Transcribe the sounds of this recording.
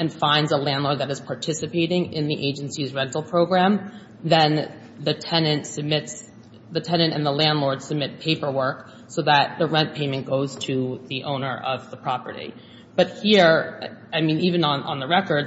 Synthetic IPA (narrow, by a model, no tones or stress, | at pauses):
ɨ̃nfãɪ̃ndzəlæ̃ndˡlɔɹd̪̚ðɨɾɨz̥pʰɑɹtʰɪsɨpʰeɪɾɪ̃ŋɪ̃nðiʔeɪd͡ʒɨ̃nsizɹɛ̃ntˡl̩ˠpʰɹ̥oʊɡɹæ̃m | ðɨ̃n | ðɨtʰɛnɨ̃ntsɨb̚mɪts | ðɨtʰɛ̃nɨ̃ntɨ̰̃nðəlæ̃ndˡlɔɹd̥sɨb̚mɪt̚pʰeɪpə˞wɜ˞k | soʊðɨt̪̚ðɨɹɛ̃npʰẽɪ̃mɨ̃nɡ̥oʊz̥tʰɨðiʔõʊ̃nə˞ʔʌvðəpʰɹ̥ɑpə̰˞ɾḭ | b̥ʌt̚hiɹaɪmĩnivɨ̃nə̃nʔə̰̃nðəɹɛkə˞d